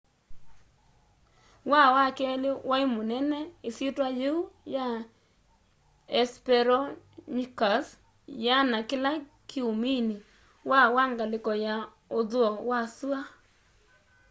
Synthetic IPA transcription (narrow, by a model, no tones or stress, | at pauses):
wawakɛlɪwʔaimonɛnɛesitwajeuja | ɛspɛɾɔ | ɲikas | janakɪla | kiomini | wawaŋɡalɪkɔja | oðʊɔwasua